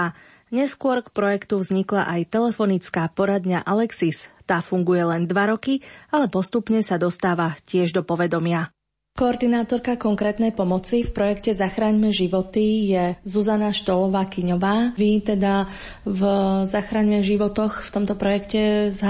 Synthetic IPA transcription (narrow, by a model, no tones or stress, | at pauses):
a | ɲɛskʊɔɾkpɾɔjɛkt̪uvzɲikla̰ʔajt̪ɛlɛfɔnit͡skaːpɔɾad̪ɲaʔalɛksist̪aːfuŋɡujɛlɛnd̪ʋaɾɔkialɛpɔst̪upɲɛsad̪ɔst̪aːʋacɪɛʒd̪ɔpɔʋɛd̪ɔmɪa | kɔːɾd̪inaːt̪ɔɾkakɔŋkɾɛːt̪nɛjpɔmɔt͡sifpɾɔjɛkcɛzaxɾaːɲmɛʒiʋɔt̪ijɛzuzanaʃt̪ɔlɔʋaːkiɲɔʋaːʋit̪ɛd̪a | vzaxɾaːɲmɛʒiʋɔt̪ɔxft̪ɔmt̪ɔpɾɔjɛkcɛz